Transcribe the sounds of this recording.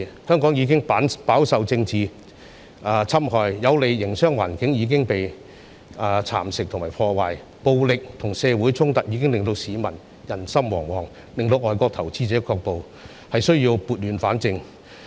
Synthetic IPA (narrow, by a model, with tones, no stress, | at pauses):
hœː˥ŋkɔː˨˥ŋjiː˨˧kɪ˥ŋpa˨˥paː˨˥wsɐ˨wt͡sɪ˧ŋt͡siː˨˧ | t͡sʰɐ˥mhɔː˨˧jjɐ˨˧wle˨˧jːɪ˨˩ŋsœː˥ŋwaː˨˩nkɪ˨˥ŋjiː˨˧˥k̬ɪ˥ŋpe˨j | t͡sʰa̰ː˨˩msɪ˨k̚tʰʊ˨ŋmaː˨˩pʰɔː˧waː˨j | po˨˧wlɪ˨k̚t̪ʰʊ˨˩ŋsɛː˧wuː˨˥jt͡sʰʊ˥ŋt̪ɐ˨˩k̚jiː˨˧k̬ɪ˥ŋlɪ˨ŋt̪o˧wsiː˨˧mɐ˨˩n | jɐ˨˩nsɐ˥mwɔː˨˩ŋwɔː˨˩ŋ | lɪ˨ŋt̪o˧wʔɔː˨˩jkɔː˧k̚t̪ʰɐ˨˩wt͡siː˧˥t͡sɛː˨˥kʰɔː˧k̚po˨w | hɐ˨jsɵ˥ɥji˧wpuː˨t̚lyː˨˧nfaː˨˥nt͡sɪ˧ŋ